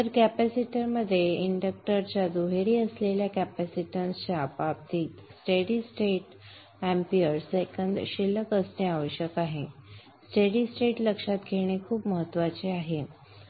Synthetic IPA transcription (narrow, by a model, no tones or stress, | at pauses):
t̪əɾkæpæsiʈəɾməd̪ʱːjeiɳɖək̚ʈəɾt͡ɕjad̪uɦeɾiːəsleljakæpæsiʈənst͡ɕjapab̚t̪iːt̪sʈeɽisʈeʈ | æ̃mpiəɾsekənd̪ɕilːəkəsʈeaʋəɕjəkaɦe | sʈeɽisʈeʈləkʂat̪ɡʱeɽ̃ekʰuːpməɦət̪ːʋat͡seaɦe